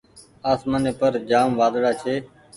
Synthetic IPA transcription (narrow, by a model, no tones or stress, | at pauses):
aːsmaːneːpəɾd͡ʒaːmʋaːd̪ɽaːt͡ʃʰeː